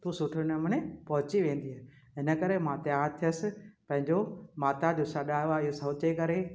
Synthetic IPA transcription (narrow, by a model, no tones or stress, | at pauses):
t̪uːsʊʈʰɪnəmənepɐɦʊt͡ɕiʋẽːn̆d̪iɦaː | ɦɪnə̆kəɾemãt̪jaːɾt̪ʰijəsɪ̆pɐ̃ɦɪ̃ɲd͡ʑomaːt̪ad͡ʑosaɗaːjoaɪɦosɐɦʊt͡ɕekɐɾe